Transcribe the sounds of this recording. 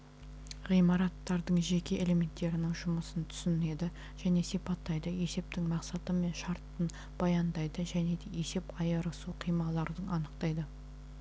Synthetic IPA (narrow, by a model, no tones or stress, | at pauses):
ʁijmɑɾɑt̪ːɑɾd̪əɴʒe̞kʲe̞ʔele̞me̞nt̪ːe̞ɾɪnɪŋʒʊməsənt̪ʰʏ̥sɪne̞d̪ɪ | ʒ̥æne̞sijpɑt̪ːɑjd̪əe̞se̞p̚t̪ɪŋmɑqsɑt̪əme̞nʃɑɾt̪ːən | b̥ɑjɑnd̪ɑjd̪əʒæne̞d̪e̞je̞se̞pɑjɑɾəsuqʰijmɑlˠɑɾd̪ənɑnəqt̪ɑjd̪ə